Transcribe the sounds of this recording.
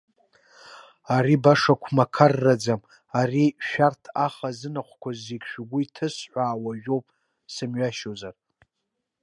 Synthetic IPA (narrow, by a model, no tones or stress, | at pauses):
aɾibaʂakʷʰmakʰarːad͡zam | ariʃᶣartʰaχazɨnaqʷkʷʰazːekʲʃᶣɡʷʊitʰɨsħʷaːwaʒᶣowpʼ | sɨmɥaʃozar